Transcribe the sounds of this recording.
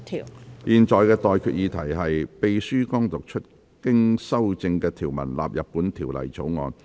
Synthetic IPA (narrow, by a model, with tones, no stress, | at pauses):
jiː˨˧nt͡ʃɔː˨˧jkɛː˧t̪ɔː˨jkʰyː˧t̚jiː˨˧t̪ʰɐ˨˩jɦɐ˨jpe˨jsyː˥kɔː˥ŋt̪ʊ˨k̚t͡ʃʰɵ˥t̚ | kɪ˥ŋsɐ˥wt͡sɪ˧ŋkɛː˧t̪ʰiː˨˩wmɐ̰˨˩nla̰ː˨p̚jɐ˨p̚ːuː˨˥nt̪ʰiː˨˩wlɐ̰˨˩jt͡so̰˨˥wŋɔː˧n